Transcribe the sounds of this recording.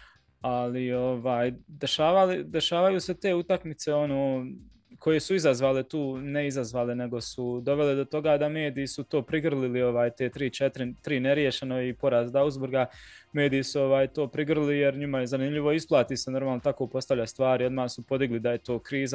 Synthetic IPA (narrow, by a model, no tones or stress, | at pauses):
alio̞ʋaːjd̪e̞ʃaːʋalid̪e̞ʃaːʋajuːse̞t̪e̞ːut̪akmit̪se̞o̞noː | kʰo̞je̞suizazʋaːle̞t̪uːneizazʋaːlene̞ɡo̞sud̪o̞ʋe̞led̪o̞t̪o̞ɡaːd̪ame̞ːd̪ijisut̪o̞ːpɾiɡr̩lilio̞ʋaːjt̪e̞ːt̪ɾiːt͡ʃet̪ɾit̪ɾiːneɾje̞ʃe̞no̞ipo̞ɾazd̪auzboɾɡame̞ːd̪ijisuo̞ʋaːjt̪o̞ːpɾiɡr̩lijeɾɲimajezanimʎʲiʋo̞isplˠaːt̪iːseno̞ɾmaːlˠnot̪akopo̞st̪aʋʎast̪ʋaːɾio̞d̪maːsupo̞d̪iɡlid̪ajet̪o̞ːkɾiːza